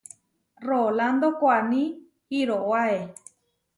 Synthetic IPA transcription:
roland̪okʷanĩ | hiɾoʔoae

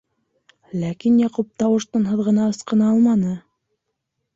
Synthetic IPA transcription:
lækinjɑqup̚t̪ɑwɤ̆ʃt̪ɤnɦɤ̆ðʁɤ̆nɑɤ̆sqɤ̆nɑɑlˠmɑnɤ

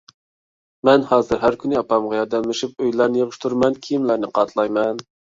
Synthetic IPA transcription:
mɛnhɑːzɨɾɦæɾkʲynɪɑpɑmʁɑjɑɾd̪ɛmlɪʃip̚øjlæɾnɪjeʁəʃt̪ʰuɾmɛnkʲʰijimlæɾnɪqʰɑt̪ʰlˠɑjmɛn

